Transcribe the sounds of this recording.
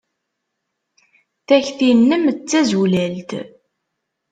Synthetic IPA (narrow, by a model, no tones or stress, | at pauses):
θæçθinːəmt͡sːæzulælt̪